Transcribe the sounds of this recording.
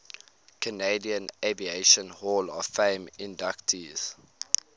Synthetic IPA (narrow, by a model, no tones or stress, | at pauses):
kʰəneɪdiə̃nevieɪʃə̃nhɔːləfẽɪmɪ̃ndaktʰiz̥